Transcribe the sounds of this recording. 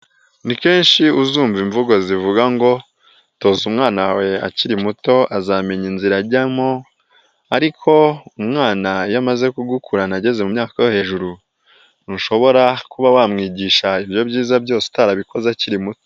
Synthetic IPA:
nike̞ːnʃiuzuːɱviɱvuɡo̞zivuɡaŋɡo̞ | to̞zumŋaːnawe̞a̰ciɾimuto̞azaːme̞ɲinziɾaɾɟamo | aɾikʰo̞umŋaːnajamaze̞kuɡukʰuɾanaɟe̞ze̞mumɲaːkawehe̞ːʒuɾu | nuʃo̞βo̞ɾakuβawaːmŋiːɟiːʃaibjo̞bɟiːzabɟo̞ːse̥taɾaβiko̞zaciɾimuto̥

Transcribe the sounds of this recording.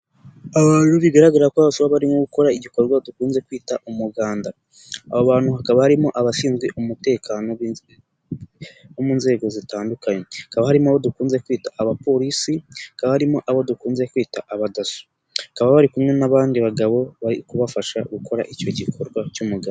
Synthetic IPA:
aβaːɾuβiɡaɾaɡaɾɾakwoβasuβaβaɾimŋoɡuko̞ɾaiɟiko̞ɾɡwadukuːnze̞kwiːtaʔumuɡaːnda | a̰βoβaːnhuhakaβahaɾimoʔaβasiːnzɡweʔumute̞ːkano | omuːnze̞ːɡo̞zitaːndukaɲeakaβahaɾimaβodukuːnze̞kwiːtaʔːβapo̞ɾisihakaβahaɾimoʔaβo̞dukuːnze̞kwiːtaʔaβadasu̥ | akaβaβaɾikumŋe̞naβaːndiβaɡaβo̞βaikuβafaʃa̰ɡukʰo̞ɾa̰ʔico̞ɟikʰo̞ɾɡwacumuɡaβo

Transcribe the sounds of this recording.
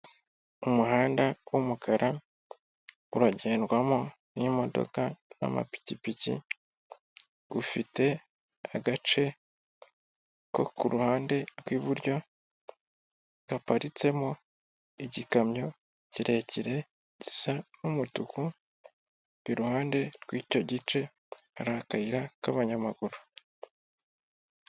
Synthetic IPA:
umuhaːndawumukʰaɾʔa | uɾaɟe̞ːndwamo | nimo̞do̞̰kana̰ma̰pi̥cipicḭ | ufite̞ | a̰ɡat͡ʃe̞ | ko̞̰kuɾuhaːnde̞ɾɡwiːβuɾɟo̞ | ɡ̥apaɾit͡se̞mo | iɟikamɲo̞ | ciɾʔe̞ciɾe̞ | ɟisanumutuku | iɾuhaːnde̞ɾɡwiːco̞ɟit͡ʃe̞ | aɾakaiɾakaβaɲamaɡuɾu

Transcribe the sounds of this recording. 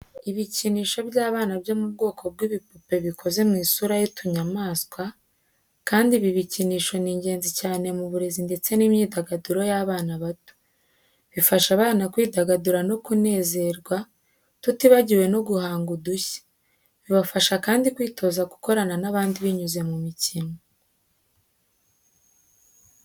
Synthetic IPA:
iβiciniːʃo̞bjaːβaːnabjo̞mubɡo̞ːkʰo̞b̚ɡwiːβipupe̞βikʰo̞ze̞mŋiːsuɾajotʰuɲamaːskwa | kaːndiβiβiciniːʃo̞niːɲɟe̞ːnzicaːne̞muβuɾe̞zinde̞t͡se̞nimɲiːdaɡaduɾo̞jaβaːnaβatu̥ | βifaʃaβaːnakwiːdaɡaduɾano̞kune̞ːze̞ɾɡwa | tutiβaɟiwe̞no̞ɡuhaːŋɡuduçe̥ | βiβafaʃakaːndikwiːtʰo̞zaɡu̥ko̞ɾananaβaːndiβiɲuze̞mumicino

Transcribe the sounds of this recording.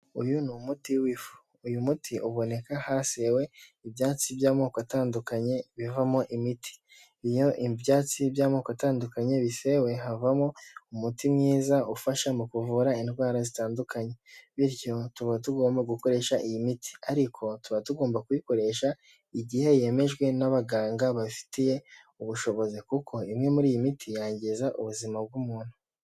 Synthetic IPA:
ṵjunumutiwifu̥ːjumutʰiʔuβo̞ne̞kahase̞we̞ibjaːt͡sibjaːmo̞ːkoataːndukaɲe̞βivamoʔimitʰi̥ | ijo̞ʔibjaːt͡sibjaːmo̞ːkataːndukaɲe̞βise̞we̞ɦavamoumutimŋiːzaufaʃamukuvuɾainɡwaːɾazitaːndukaɲe̞βiɾjo̞tuβatuɡo̞ːmbaɡuko̞ɾe̞ːʃaʔijimitʰi̥aɾikʰo̞tuβatuɡo̞ːmbakujiko̞ɾe̞ʃa | iɟihe̞je̞me̞ʒɡwe̞naβaɡaːŋɡaβafi̥tije̞ | uβuʃo̞βo̞zikukʰo̞imŋe̞muɾiːjimitʰijaːɲɟizaʔuβuzimab̚ɡumuːn̥hu̥

